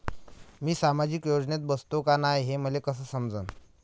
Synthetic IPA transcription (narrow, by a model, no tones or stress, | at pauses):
miːsamad͡ʑikjod͡ʑnet̪̚bəst̪okanajɦem̤əlekəs̬əːsəmd͡zən